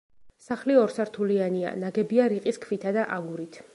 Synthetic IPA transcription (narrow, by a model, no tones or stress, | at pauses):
saχliɔɾsaɾt̪ʰuliania̰naɡɛbiaɾiqʼiskʰvit̪ʰad̪aʔaɡuɾit̪ʰ